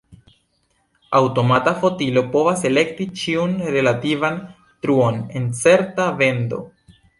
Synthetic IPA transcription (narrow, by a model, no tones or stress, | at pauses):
awto̞matafo̞tilo̞po̞vase̞le̞k̚tit͡ʃiunɾe̞lativan | tɾuo̞ne̞nt͡se̞ɾtave̞ndo̞̰